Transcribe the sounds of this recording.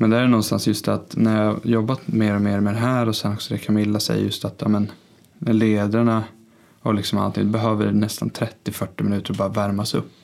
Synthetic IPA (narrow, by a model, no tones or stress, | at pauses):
mɛnd̪ɛæjɛnɔnst̪a̰nsjɵst̪at̪næɾjɑhajɔbːat̪meːɾɔmeːɾmɛd̪ɛɦæːɾɔsɛnɔksɔd̪ɛkʰamɪlːasɛ̰jːa̰jɵst̪at̪jɑ̰ːmɛn | leːd̪aɳa | ɔlɪksɔmalt̪ʰɪ̰ŋd̪ɔbɛɦøːvəɖnɛst̪ant̪ʰɾɛt̪ːɪfœʈːɪmɪnʉ̟ːt̪əɾbɑːɾavæɾmasɵ̰pː